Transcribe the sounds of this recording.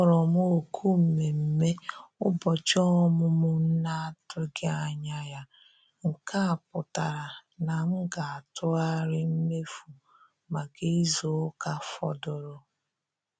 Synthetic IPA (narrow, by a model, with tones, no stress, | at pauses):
ɔ˦˨ɾɔ˨m˦o˨kʰu˦m̩˨me˨m̩˨me˦ʊ˦bɔ˨t͡ʃɔ˦mʊ˦mʊ˦n̩˦na˦a˦tʊ˦ɡɪ˦a˨ɲa˦ja˦ | ŋ̩˨ka˦a˨pʊ˨ta˨ɾa˨na˨ŋ̩˦ɡa˨a˨tʊ˦a˦ɾɪ˦m̩˦me˦fu˨ | ma˨ɡi˦zo˦ka˦fɔ̰˦dʊ˨ɾʊ˦